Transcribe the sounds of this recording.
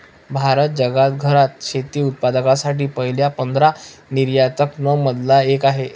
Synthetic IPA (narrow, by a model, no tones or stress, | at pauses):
bʱaɾət̪̚d͡ʑəɡat̪̚ɡʱəɾat̪̚ɕet̪iːut̪̚pad̪əkasaʈiːpəɦiljapənd̪ɾaniɾjat̪əknəməd̪laekaɦe